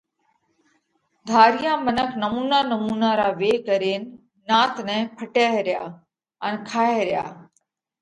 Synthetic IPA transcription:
d̪ʱaːɾɪjãːmənəkʰnəmuːnaːnəmuːnaːɾaːʋeːkəɾeːnɪ | nãːt̪nɛ̃ːpʰəʈaːɦɾɪja̰ː | ənkʰaːɦeɾɪja̰ː

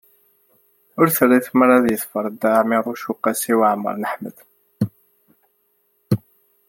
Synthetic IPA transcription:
ʊɾθərːiθməɾˤæðjəθfəɾˤd̪amiɾˤʊʃuqːæsiwaʕmə̰ɾˤnəħmə̰d̪̥

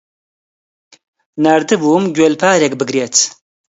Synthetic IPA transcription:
naɾd̪ɨbuːmɡwelpʰaːɾek̚bɨɡɾet̪ʰ

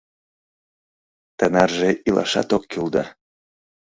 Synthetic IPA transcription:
t̪ənɑrʒeilʔɑ̰ʃɑ̰t̪okːyld̪ɑ

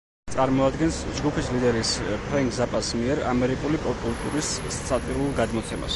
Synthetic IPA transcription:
t̪sʼaɾmɔad̪ɡɛnsd͡ʒɡupʰislid̪ɛɾispʰɾɛŋkʰzapʼasmiɛɾa̰mɛɾikʼulipʼɔpʼulˠt̪ʼuɾissʰʼat̪ʼiɾulˠɡad̪mɔt̪sʰɛma̰s

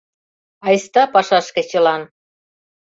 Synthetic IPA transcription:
ɑjst̪ɑpɑʃɑʃkĕt͡ɕə̆lɑn

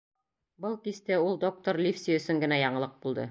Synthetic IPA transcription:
bɤlˠkist̪ɘulˠd̪o̞k̚t̪oɾlʲifsʲiɵ̆sɵŋɡɘ̆næjɑɴɤ̆lˠɤq̚bulˠd̪ɤ̰

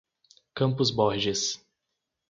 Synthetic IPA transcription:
kɐ̃mpʊzbɔɾʒis

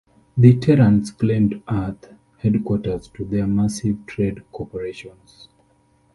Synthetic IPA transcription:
ðitʰɛɹãntsklɛ̃mdaθ | hɛdkwɔtə˞z̥tʰuðɛmasiv̥tʰɹedkʰɔpəɹeʃɔ̃nz̥

